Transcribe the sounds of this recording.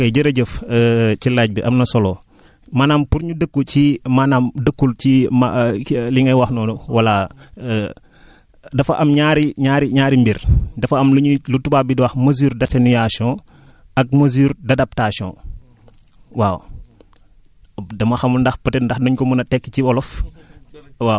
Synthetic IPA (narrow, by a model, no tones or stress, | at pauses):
kɐjɟəɾɐɟəfəcilaɟ̚biʔɐmnɐsɔlɔː | maːnaːmpuɾɲudəkːucimanaːmdəkːulcimaliŋɐwɐxnɔːnuwɐla | dɐfɐʔɐmɲaɾiɲaːɾiɲaːɾimbiɾdɐfɐɐmluɲulutubaːbidiwɐxmɐzuːɾdɐtɛnujasɔ̃ | ɐk̚mɐzuɾdɐdɐp̚tasiɔ̰̃ | waːw | dɐmɐxɐmundɐxpətɛndɐxnɐɲkɔmunɐtɛkːciɔlɔf | waːw